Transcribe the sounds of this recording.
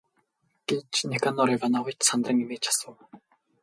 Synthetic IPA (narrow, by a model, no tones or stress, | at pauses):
ɡ̥et͡ɕnekʰanɔɾiːɣanawət͡ɕsant̪rə̆ŋimeːt͡ɕʰḁsə̆w